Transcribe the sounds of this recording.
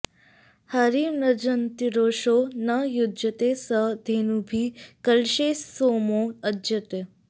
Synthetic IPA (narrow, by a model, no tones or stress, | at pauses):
haɾiːɾnəd͡ʒənt̪iɾoːʃoːnɐjʊd̪jət̪esəd̪ʱeːnubʱikəlʃeːsoːmoədd͡ʒət̪e